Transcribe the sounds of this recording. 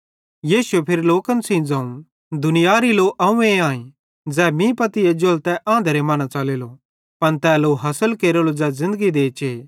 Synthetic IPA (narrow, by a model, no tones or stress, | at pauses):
jiːsuepʰɪɾloːkənsĩd͡zãːũ | d̪ʊnɪjaːɾiloʔɐũẽaːĩ | d͡zɛːmĩpɐt̪ɪed͡ʒolt̪ɛʔãːnd̪əɾemaːnat͡ʃaːleːlo | pɐnt̪ɛːloɦɐsəlkeːɾəlod͡zɛːzɪ̃nd̪əɡid̪eːt͡ʃeː